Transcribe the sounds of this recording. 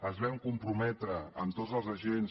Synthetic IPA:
əzβɛmkumpɾumɛt̪ɾəəmt̪ozəlˠzəʒens

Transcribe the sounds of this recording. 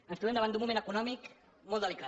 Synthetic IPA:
ə̃nst̪uwend̪əβanumumẽnəkunɔmik | molˠd̪əlika

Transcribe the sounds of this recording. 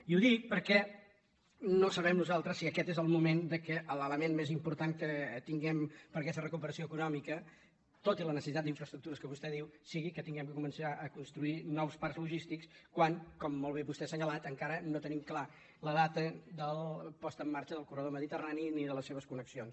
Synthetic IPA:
iuðik̚pəɾkɛ | nosəβɛmnuzalˠt̪ɾəsːiəkɛt̪ezəlˠmumend̪əkəʔələləmenmezimpuɾt̪aŋkət̪iŋɡɛmpəɾkɛst̪ərəkupəɾəsioəkunɔmikə | t̪ot̪ilənəsəsit̪at̪iɱfɾəst̪ɾuk̚t̪uɾəskəβust̪ɛðiwsiɣikət̪iŋɡɛmkəkumənsaʔəkunst̪ɾuinɔwspaɾzluʒist̪ikskwaŋkɔmːolˠβ̞eβust̪ɛsəɲəlat̪əŋkaɾənot̪ənimkla | ləðat̪əd̪əlˠpɔst̪əːmːaɾt͡ʃəðəlˠkurəðoməðit̪əraniniðələsːeβ̞əskunəksions

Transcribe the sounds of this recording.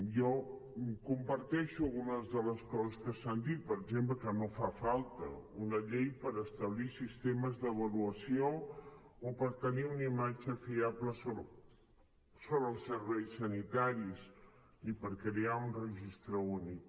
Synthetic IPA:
jɔ | kumpəɾt̪ɛʃuəlɣunəzðələskɔzəskəsand̪it̪̚pəɾəɡzempləkənofafalˠt̪ə̰unəʎejpəɾəst̪əβ̞lisist̪eməzðəβ̞əluəsioː | pəɾt̪əniunimad͡ʒəfiapləo | soβɾəːlˠsəɾβɛjsənit̪aɾis | nipəɾkɾeaunrəʒist̪ɾəuni

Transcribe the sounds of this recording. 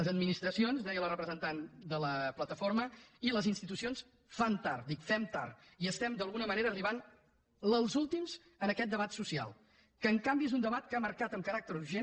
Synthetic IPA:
əzəd̪minist̪ɾəsionzd̪ɛjəlˠrəpɾəzənt̪and̪ələplət̪əfoɾməiləzinst̪it̪usions | fant̪aɾd̪ikfɛmt̪a̰ɾ | iəst̪ɛmd̪əlˠɣunəməneɾəːriβ̞an | ləlˠzulˠt̪imz | ənəkɛt̪̚d̪əβat̪susia̰lˠ | kəːŋkambiezund̪əβat̪kəaməɾkat̪əmkəɾak̚t̪əɾuɾʒe

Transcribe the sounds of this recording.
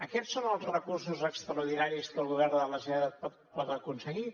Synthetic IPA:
əkɛsːonəlˠzrəkursuzəkst̪ɾəuɾðinaɾiskəlˠɣuβɛrnd̪ələsɛðəpɔt̪pɔt̪əkunsəɣi

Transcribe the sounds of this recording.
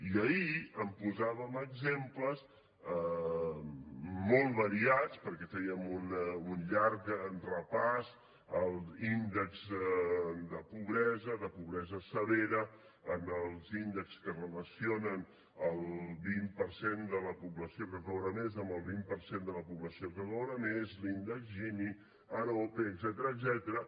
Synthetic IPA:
iəiəmpuzaβəməɡzempləz | ə | molˠβəɾiat͡spəɾkɛfɛiəmununʎaɾkrəpas | əlˠzind̪əkz | d̪əpuβɾɛzəðəpuβɾɛzəsəβeɾə | ənəlˠzind̪əkskərələsionən | əlˠβimpəɾsend̪ələpuβləsiorəzawɾəmezəmbəlˠβimpəɾsend̪ələpuβləsiokəzowɾəmezlind̪əkzʒini | əɾopeəɡzɛt̪əɾəːɡzɛt̪əɾə

